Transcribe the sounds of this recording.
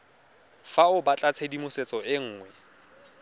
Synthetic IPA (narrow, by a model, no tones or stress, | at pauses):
faʊbat͡ɬʼat͡sʰedimʊset͡sʼɔɪŋ̩ːŋwɛ